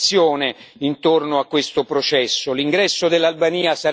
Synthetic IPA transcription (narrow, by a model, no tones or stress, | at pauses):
sːjoːneint̪ornoakːwest̪opɾot͡ʃɛsːoliŋɡɾɛsːod̪elːalbaniːasaɾ